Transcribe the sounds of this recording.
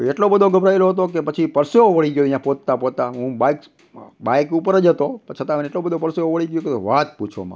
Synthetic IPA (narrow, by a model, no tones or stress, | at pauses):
eʈlobəd̪ʱoɡəbɾaeloɦət̪okepət͡ʃʰipəɾseoʋəɭiɡjoəɦjãpot̪̚t̪apod̪̚t̪aɦũbajk | bajkupəɾəd͡ʒɦət̪opət͡ʃʰət̪aməneʈlobəd̪ʱopəɾseoʋəɭiɡjuket̪oʋat̪̚put͡ʃʰo̰mã̰